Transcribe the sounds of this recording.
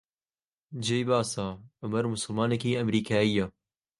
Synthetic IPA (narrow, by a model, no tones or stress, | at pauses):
d͡ʒejbaːsaːʔʊmɐɾmʊsɨlmaːnɛkeːɐmɾiːkʰaːija